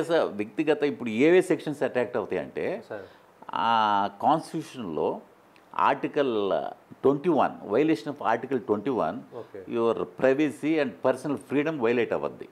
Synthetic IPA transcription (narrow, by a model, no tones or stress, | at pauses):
esɐʋjɐk̚t̪iɡɐt̪ɐipːuɽueːʋeːsekʂɐnsɐʈɾaːk̚ʈɐʋɐt̪ɐjɐ̰ɳʈḛː | kaːnsʈiʈuːʂɐnlo̰ː | a̰ːɾʈikɐlʈʋeɳʈiːʋɐ̰nʋɐjleːʂɐnɐfa̰ːɾʈikɐlʈʋeɳʈiːʋɐ̰niʋɐɾpɾɐjʋesiɐɳɖpɐɾsɐnɐlpʰɾiːɽɐmʋɐjlɐjʈɐʋɐ̰d̪ːḭ